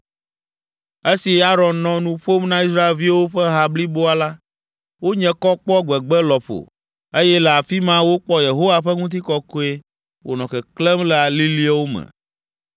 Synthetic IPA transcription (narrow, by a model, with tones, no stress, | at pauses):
e˦si˨a˦ɾɔ̃˨nnɔ̃˨nũ˦ɸo˦mnã˦i˦s̬ɾa˦e˨lvi˦wo˦ɸɛ˦ɦa˦bli˦bo˦a˨la˦ | wo˦ɲɛ̃˨˦kɔ˦k͡pɔ˦ɡ͡bɛ˨ɡ͡bɛ˦lɔ˨ɸo̰˨ | e˦jɛ˦lɛ˨a˨fi˦mã˦wo˦k͡pɔ˦je˨ɦo˦wa˦ɸɛ˦ŋũ˦t̪̬i˦kɔ˦ko˦e˦ | wo̰˨nɔ̃˨kɛ˨klɛ˦mlɛ˨a˨li˦li˦a˦wo˦mɛ̰̃˨